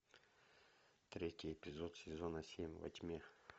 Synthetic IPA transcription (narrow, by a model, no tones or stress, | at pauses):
t̪ɾʲetʲɪjepʲɪzot̪sʲɪzonəsʲemʲvɐ̰t̪ʲmʲe